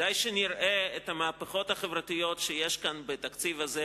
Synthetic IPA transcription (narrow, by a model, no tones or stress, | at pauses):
ajʃeniɾʔeet̪hamaːpeχo̞t̪haχevʁat̪ijo̞tʃejeʃkanbet̪akt͡sivaze